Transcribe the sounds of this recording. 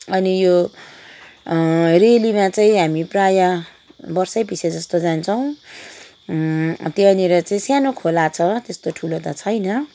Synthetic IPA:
ʌnijo | relimãt͡saĩɦamipraja | bʌrsʌjpised͡zʌst̪od͡zant͡sʰʌw̃ | t̪jeʌneɾʌt͡saĩsjanokʰolat͡sʰʌt̪est̪oʈʰulot̪ʌt͡sʰʌjnʌ

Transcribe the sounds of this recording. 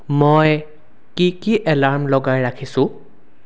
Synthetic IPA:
moj | kikiʔɛlaɹmlɔɡajɹakʰisʊ̃

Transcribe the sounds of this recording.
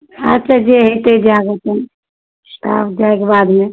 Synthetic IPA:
ətːʃʰad͡ʒeɦet̪ed͡ʒaɡət̪ən | a̰pd͡ʒaekebad̪me

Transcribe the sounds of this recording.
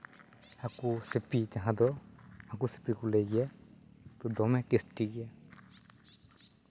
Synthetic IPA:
akusepitaɦãd̪ɔakuse̥pikɔlejɡɛjat̪ɔd̪ɔmɛkesʈiɡɛja

